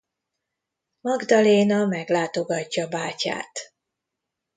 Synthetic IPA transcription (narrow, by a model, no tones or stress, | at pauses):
mɒɡd̪ɒleːnɒmɛɡlaːt̪o̞ɡɒcːɒːbaːca̰ːt̪